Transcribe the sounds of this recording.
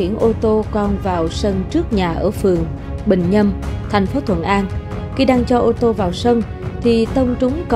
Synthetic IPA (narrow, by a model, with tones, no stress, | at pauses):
i˧˩ənʔo˧t̪o˧kɔ˧nvaː˨˩wsə˧nt͡ɕɨ˦˥ək̚ɲaː˨˩ʔəː˧˩fɨ˨˩əŋ | ɓï˨˩ŋ̟ɲə˧mt̪ʰa˨˩jŋ̟fo˨˦t̪ʰwə̰˧˩nʔaː˧n | xi˧ɗaː˧ŋt͡ɕɔ˧ʔo˧t̪o˧vaː˨˩wsə˧n | t̪ʰi˨˩t̪ə˧wŋ͡mt͡ɕʊ˨˦ŋ͡mk